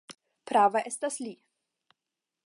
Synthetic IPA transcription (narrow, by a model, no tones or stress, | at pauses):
pɾaːvɐʔɛst̪aslʲiː